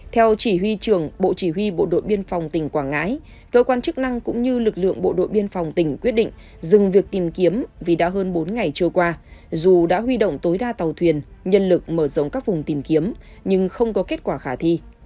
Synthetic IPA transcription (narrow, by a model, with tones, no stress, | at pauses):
t̪ʰɛ˧wt͡ɕi˧˩ɦwi˧t͡ɕɨ˧˩əŋɓo̰˧˨t͡ɕi˧˩ɦwi˧ɓo̰˧˨ɗo̰˧˨jɓi˧ənfa˨˩wŋ͡mt̪ï˧˩ŋ̟kwaː˧˩ŋa̰ː˧˥j | kəː˧kwaː˧nt͡ɕɨ˦˥k̚na˧ŋkʊ̰˧˥ŋ͡mɲɨ˧lɨ˨˩k̚lɨ̰˧˨əŋɓo̰˧˨ɗo̰˧˨jɓi˧ənfa˨˩wŋ͡mt̪ï˧˩ŋ̟kwi˦˥ət̚ɗḭ˧˨ŋ̟ | zɨ˨˩ŋvi˨˩ək̚t̪i˨˩mki˨˦əmvi˨˩ɗa̰ː˧˥ɦəː˧nɓo˨˦nŋa˨˩jt͡ɕɨ˧əkwaː˧zu˨˩ɗa̰ː˧˥ɦwi˧ɗo̰˧˨wŋ͡mt̪o˨˦jɗaː˧t̪aə˨˩wt̪ʰwi˨˩ənɲə˧nlɨ˨˩k̚məː˧˩zə̰˧˨ŋ͡mkaː˦˥k̚vʊ˨˩ŋ͡mt̪i˨˩mki˨˦əm | ɲɨ˧ŋxə˧wŋ͡mkɔ˨˦ke˦˥t̚kwaː˧˩xaː˧˩t̪ʰi˧